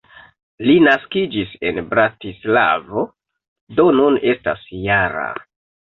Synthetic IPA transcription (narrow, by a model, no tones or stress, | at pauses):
linaskid͡ʒise̞nbɾatisla̰vo̞ | do̞nune̞sta̰sjaɾa̰